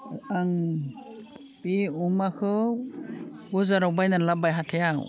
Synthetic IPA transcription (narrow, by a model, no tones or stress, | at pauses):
aŋ | biumakʰɯ | ɡuzaɾawbajnanlabajɦatʰejaw